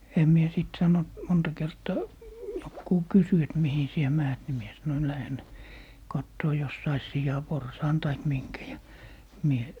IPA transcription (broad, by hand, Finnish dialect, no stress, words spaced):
em mie siˑt sɑnont montɑ kertɑː jokːuː kysy et mihi sie mæːt ni mie sɑnoin læhen kɑtːoː jos sɑis sijɑporsɑːn tɑik miŋkæ jɑ mie